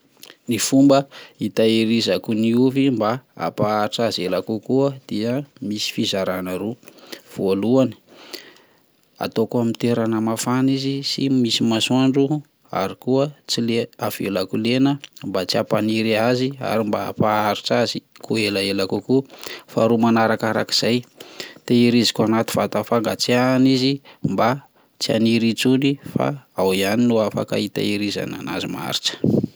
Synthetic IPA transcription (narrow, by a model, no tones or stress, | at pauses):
nifumbəit̪aiɾizakuniufimbaa̰paaɾiʈ͡ʂazelakukuəd̪̥iəmisi̥fizaɾanaɾuv̥oluani̥ | a̰t̪okuamit̪eɾanəmafanizisimisimasaɳɖ͡ʐu | a̰ɾikuət͡sileav̥ḛlakulenəmbat͡siapaniɾiazia̰ɾimbaa̰paaɾiʈ͡ʂazikuelaelakukufa̰ɾumanaɾakaɾa̰ki̥z̥ajt̪eiɾizi̥kuanat̪i̥vat̪afaŋɡat͡seanizimba | t͡sia̰niɾit͡sunifa̰awianinuafa̰ka̰it̪a̰iɾiza̰na̰na̰zima̰ɾiʈ͡ʂə̥